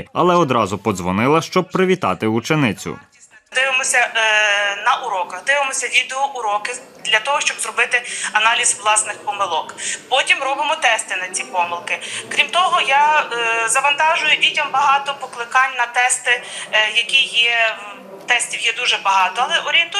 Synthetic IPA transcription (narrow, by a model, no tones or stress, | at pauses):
ɐ̰lˠɛɔd̪ɾɑzʊpɔd̪zʋɔnɪlˠɐʃt͡ʃɔb̚pɾɪʋʲit̪ɑ̰t̪ɪut͡ʃenɪt͡sʲʊ̰ | d̪ɪʋɪmɔsʲɐ | nɐʔuɾɔkɐɣd̪ɪʋɪmɔsʲɐʋʲid̪eɔʔʊɾɔkɪ | d̪lʲɐt̪ɔɦɔʃt͡ʃɔbzrɔbɪt̪ɪɐnɑlʲizʋlˠɑsnɪxpɔmɪlˠɔkpɔtʲimɾɔbɪmɔt̪ɛst̪ɪnɐt͡sʲipɔmɪlˠkɪkɾʲimt̪ɔɦɔjazɐʋɐnt̪ɑʒʊjʊdʲitʲɐmbɐɦɑt̪ɔpɔklˠɪkɑnʲnɐt̪ɛst̪ɪjɐkʲijɛ | t̪ɛsʲtʲiwjɛd̪uʒɛbɐɦɑt̪ɔɐlˠɛʔɔɾʲient̪